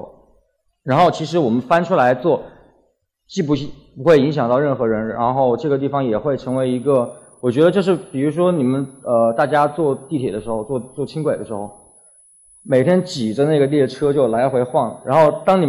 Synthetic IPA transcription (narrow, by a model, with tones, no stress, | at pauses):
ɻa˧˥nxo˥˩ʊt͡ɕʰi˧˥ʂ̬ɻ̩˧˥wɔ˨˩mə˦nfa˥nʈ͡ʂʰu˥la˧˥ɪt͡swɔ˥˩ | t͡ɕi˥˩p̬u˧˥˩ɕi˥˩pu˧˥xwe˥˩ɪi˧˥ŋɕjɑ˨˩ŋt̪ɑ˥˧ʊɻə˥˩nxɤ˧˥ɻə˧˥nɻa̰˧˥nxo˥˧ʊʈ͡ʂɤ˥˩ɡə˩t̪̬i˥˩fɑ˩ŋjɛ˨˩xwe˥˩ɪʈ͡ʂʰɤ˧˥ŋwe˧˥ɪi˧˥ɡə˧ | wɔ˨˩t͡ɕɥɛ˧˥d̪ə˧t͡ɕjo˥˧ʊʂɻ̩˥˩pi˨˩ɻu˧˥ʂ̬wɔ˥ni˨˩mə˦nə˧t̪a˥˩t͡ɕja˥t͡swɔ˥˧t̪i˥˩t̪ʰjɛ˨˩d̪ə˦ʂɻ̩˧˥xo˧ʊt͡swɔ˥˧t͡swɔ˥˩t͡ɕʰi˥ŋkwe˨˩ɪd̪ə˦ʂɻ̩˧˥xo˥˩ʊ | me˨˩ɪt̪ʰjɛ˥nt͡ɕi˨˩ʈ͡ʂə˦na˥˩ɡə˩lɛ˥˩ʈ͡ʂʰɤ˥t͡ɕjo˥˩ʊla˧˥ɪxwe˧˥ɪxwɑ˥˩ŋɻa̰˧˥nxo˥˩ʊt̪ɑ˥ŋni˨˩